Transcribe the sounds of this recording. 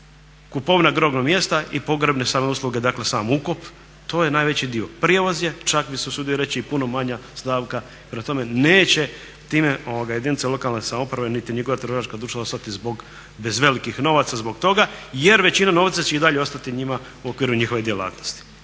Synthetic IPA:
kupo̞ʋnaɡɾo̞ɡnomje̞st̪aʔipo̞ɡɾebne̞saːmeuslˠuɡe̞d̪akle̞saːmukop | t̪o̞ːjenaːjʋe̞t͡ɕid̪io̞pɾijeʋo̞zje̞t͡ʃakbiseosud̪ijoɾe̞t͡ɕiipuno̞maɲast̪aːʋka | ipɾemat̪o̞me̞neːt͡ɕe̞ | t̪iːme̞ʔoʋoɡaje̞d̪init̪selo̞kalnesamoupɾaʋenit̪iɲiɡoʋat̪ɾ̩oʃat͡ʃkad̪ɾuːʃt̪aost̪at̪izbo̞ɡ | be̞zʋe̞likixno̞ʋat̪sazbo̞ɡt̪o̞ɡaje̞ɾʋe̞t͡ɕinano̞ʋt̪sat͡ɕeid̪aʎeo̞st̪at̪iɲima | uo̞kʋiːɾuɲixo̞ʋe̞d̪jelˠa̰ːt̪nost̪i̥

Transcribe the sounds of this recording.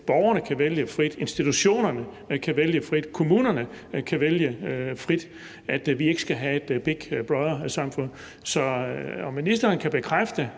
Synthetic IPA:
b̥ɒʊɐnəkʰæʋeljəfʁid̥e̝nsd̥it͡sʰuɕo̝̰ːnɐnə | kʰæʋeljəfʁid̥kʰo̝muːnɐnə | kʰæʋeljəfʁid̥ | æd̥ʋie̝ɡ̥ə̥sɡ̥æɦæe̝d̥b̥eɡ̥b̥ʁɑðˠɐsɑ̈mfɔn̰ | sɒ̽ɒ̽minisd̥ɐːnkʰæb̥e̝kʰʁafd̥ə

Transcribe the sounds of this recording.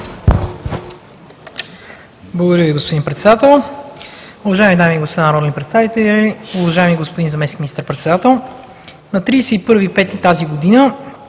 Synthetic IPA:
blˠɐɡod̪ɐɾjəviɡospod̪inpɾɛt̪sɛd̪at̪ɛlˠ | ʊvɐʒaɛmid̪amiːɡospd̪anɐɾɔlʲɛnipɾɛt̪st̪avit̪ɛlʲiʊvɐʒaɛmiɡospod̪inzɐmɛskʲiminist̪əɾpɾɛt̪sɛd̪at̪ɛlˠ | nɐt̪ɾiːsɛipɤɾvipɛt̪it̪aziɡod̪inə

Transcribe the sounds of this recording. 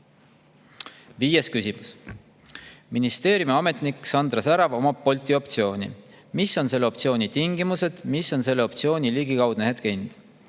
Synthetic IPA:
viːje̞skysimus | minist̪e̞ːɾjumiɑme̞t̪nikːˑsɑnd̪rɑsæɾɑvo̞mɑpo̞lʲt̪io̞pt̪sio̞ːnʲḭ | misːo̞nse̞lːeo̞p̚t̪sio̞ːnit̪iŋɡ̥imuse̞d̪̥misːo̞nse̞lːeo̞pt̪sio̞ːnʲiliɡ̥ikɑwd̪̥neɦed̪kejnd̪̥

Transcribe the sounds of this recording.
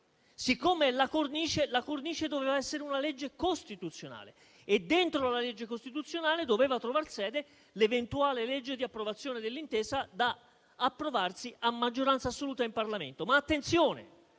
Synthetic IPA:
sikːomelakorniːt͡ʃelakorniːt͡ʃed̪oveːvaɛsːeɾeunaled͡ʒːekost̪it̪ut̪sːjona̰ːlḛ | ed̪ːent̪ɾolaled͡ʒːekost̪it̪ut̪sːjonaːled̪oveːvat̪ɾovarsɛːd̪e | levent̪uaːleled͡ʒːed̪iapːɾovat̪sːjoːned̪elːint̪eːsad̪aː | pːɾovarsiamːad͡ʒːoɾansaːsːoluːt̪aimparlamḛnt̪omaːt̪ːent̪sjoːnḛ

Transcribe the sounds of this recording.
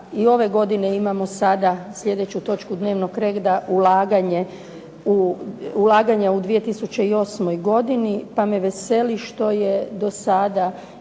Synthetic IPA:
io̞ʋe̞ɡo̞d̪ine̞imamo̞sad̪asʎʲe̞d̪e̞t͡ɕut̪o̞t͡ʃkud̪ne̞ːʋno̞kɾeɡd̪aulaːɡaɲe | uulˠaːɡaɲaud̪ʋije̞t̪isut͡ɕe̞io̞ːsmo̞jɡo̞d̪inipameʋese̞liʃt̪o̞je̞d̪o̞sad̪a

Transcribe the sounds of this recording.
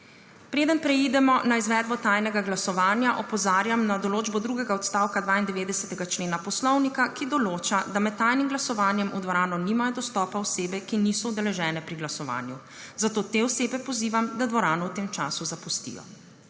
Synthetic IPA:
pɾeːd̪ənpɾɛid̪ɛmɔnaizʋɛːd̪̚bɔt̪ajnɛɡaɡlasɔʋaːnjaʔɔpɔzaːɾjamnad̪ɔloːd͡ʒbɔd̪ɾuɡɛɡaɔt̪st̪aːwkad̪ʋaːind̪ɛʋeːd̪ɛsɛt̪ɛɡat͡ʃleːnapɔslɔwnikakid̪ɔloːt͡ʃad̪amɛt̪̚tːajnimɡlasɔʋaːnjɛmʔud̪ʋɔɾaːnɔniːmajɔd̪ɔst̪ɔːpaɔseːbɛkiniːsɔud̪ɛlɛʒɛːnɛpɾiɡlasɔʋa̰ːnju | zat̪oːt̪eɔseːbɛpɔziːʋamd̪ad̪ʋɔɾaːnɔwt̪eːmt͡ʃa̰ːsuzapust̪ḭːjɔ̰

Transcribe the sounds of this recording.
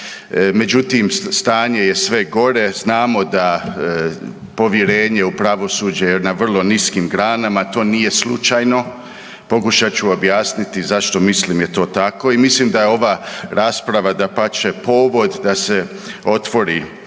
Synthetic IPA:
me̞d͡ʑut̪imst̪aːɲe̞je̞sʋe̞ɡo̞ɾe̞znaːmo̞d̪a | po̞ʋjeɾe̞ːɲe̞upɾaʋo̞sud͡ʒejenaʋr̩lˠo̞niskimɡɾaːnamat̪o̞ːnije̞slut͡ʃajno̞ | po̞kuʃat͡ɕuobjaːsnit̪izaʃt̪o̞misliːmjet̪o̞ːt̪ako̞imisliːmd̪ajeo̞ʋaːɾaːspɾaʋad̪apat͡ʃepo̞ːʋo̞d̪d̪ase | o̞t̪ʋo̞ɾi

